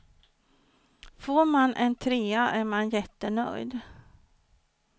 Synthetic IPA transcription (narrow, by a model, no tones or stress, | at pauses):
foːɾmanʔɛnt̪ʰɾeːaʔæɾmanjɛt̪ːənœ̰jd̪